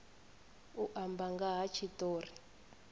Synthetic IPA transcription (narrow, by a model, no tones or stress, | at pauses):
uʔambaŋɡaɦat͡ʃʰitoːri